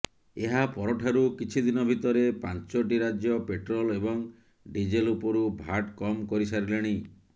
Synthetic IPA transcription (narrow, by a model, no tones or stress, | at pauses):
eɦapɔɾɔʈʰaɾukit͡ʃʰid̪inɔbʱit̪ɔɾepant͡ʃoʈ̬iɾad͡ʒjɔpeʈɾɔlebɔŋ | ɖid͡ʒelupɔɾubʱaʈkɔmkɔɾisaɾileɽ̃i